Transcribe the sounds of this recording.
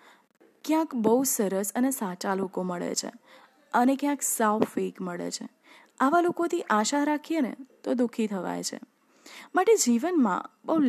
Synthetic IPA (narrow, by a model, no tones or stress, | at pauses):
kjãkbəusəɾəsənesat͡ʃalokoməɭḛt͡ʃʰḛ | ənekjãksawfekməɭḛt͡ʃʰe | aʋalokot̪ʰiʔaʃaɾakʰijenḛt̪od̪ukʰit̪ʰəʋa̰jt͡ʃʰḛ | maʈed͡ʒiʋənmã̰bəɦul